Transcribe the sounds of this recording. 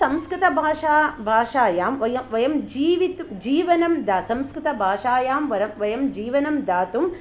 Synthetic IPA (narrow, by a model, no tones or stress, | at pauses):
sɐmskɾɪt̪ɐbʱaːʂaːbʱaːʂaːjaːmʋɐjɐmʋɐjɐmd͡ʒiːʋit̪d͡ʒiːʋɐnɐmd̪aːsɐmskɾɪt̪ɐbʱaːʂaːjaːmʋɐɾɐmʋɐjɐmd͡ʒiːʋɐnɐmd̪aːt̪um